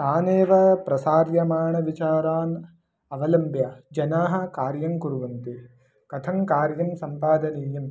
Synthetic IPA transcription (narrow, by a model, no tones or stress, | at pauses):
aːneːʋɐpɾɐsaːɾjɐmaːɳɐʋit͡ʃaːɾaːn | ɐʋɐlɐmbjɐd͡ʒɐnaːɦɐ̆kaːɾjɐŋkuɾuʋɐnt̪i | kɐt̪ʰɐŋkaːɾjɐmsɐmpaːd̪ɐniːjɐm